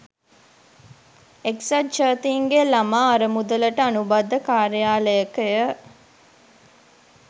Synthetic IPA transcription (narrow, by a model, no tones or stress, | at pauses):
eksɐtt͡ʃəːt̪iːŋɡelamaːɐɾəmud̪ələʈəanubad̪ːəkaːɾijaːləjəkəjə